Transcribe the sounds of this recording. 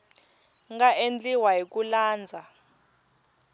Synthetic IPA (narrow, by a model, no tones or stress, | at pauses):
ŋɡaʔend͡ɮiwajik̬ulaːnd͡zʱa